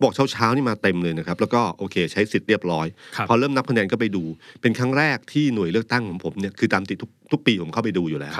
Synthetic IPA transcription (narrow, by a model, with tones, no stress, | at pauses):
bɔ˨˩k̚t͡ɕʰːwt͡ɕʰaː˦˥wniː˥˩maː˧t̪e˧mlɤː˧jna˦˥kʰa˦˥plɛː˦˥wkɔː˥˩ʔoː˧kʰeː˧t͡ɕʰa˦˥jsi˨˩t̪̚ɾi˥˩əp̚ɾɔː˦˥jʰpʰɔː˧ɾɤː˥˩mna˦˥p̚kʰa˧nɛː˧nkɔː˥˩pa˧jduː˧pe˧nkʰa˦˥ŋɾɛː˥˩k̚t̪ʰiː˥˩nu˨˩əjlɯ˥˩ək̚t̪a˥˩ŋkʰɔː˩˦ŋpʰo˩˦mni˥˩ɐkʰɯː˧t̪aː˧mt̪i˨˩t̪ʰːu˦˥k̚t̪ʰu˦˥k̚piː˧pʰo˩˦mʰkʰa˥˩wp̬a˧jduː˧juː˨˩lɛ̰ː˦˥w